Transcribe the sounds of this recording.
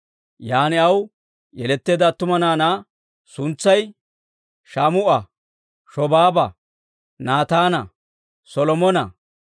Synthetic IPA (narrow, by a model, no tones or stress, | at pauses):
jaːnɪɐw | jɛlɛt̪ːeːd̪ɐt̪ːʊmɐnaːnaː | sʊnt͡sːɐj | ʃaːmʊʔɐ | ʃɔbaːbɐ | naːt̪aːnɐ | sɔlɔmɔnɐ